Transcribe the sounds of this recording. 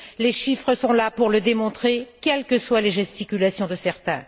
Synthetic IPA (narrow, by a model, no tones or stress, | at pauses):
leʃifχəsɔ̃lapuʁləd̪emɔ̃t̪χekʲɛlkəswaleʒɛst̪ikʲylasjɔ̃d̪əsɛʁt̪ɛ̃